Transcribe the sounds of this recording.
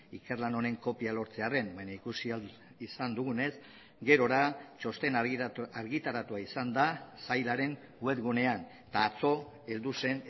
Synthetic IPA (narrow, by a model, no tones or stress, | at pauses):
ike̞rlano̞ɾe̞ŋko̞pialo̞ɾt͡se̞are̞mbajɲaikusia | isand̪uɣune̞s | ɡe̞ɾo̞ɾat͡ʃo̞st̪e̞naɾɣit̪aɾat̪uaisand̪asajlaɾe̞ŋ | we̞t̪ɣune̞an | t̪aːt͡so̞ | e̞ld̪use̞n